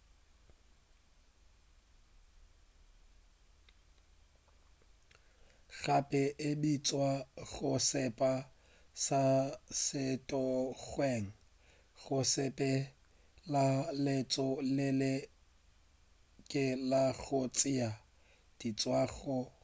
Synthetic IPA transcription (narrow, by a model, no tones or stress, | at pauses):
ɣapʼɪʔɪdit͡sʼwaɣʊsɪpʼa | sasɪtʼɔɣwɛŋ̩ | ɣʊsɪpʼɛ | lalet͡sʼɔlɪlɪ | kʼɪlaɣʊt͡sʼɪa | d̥it͡sʼwaɣʊ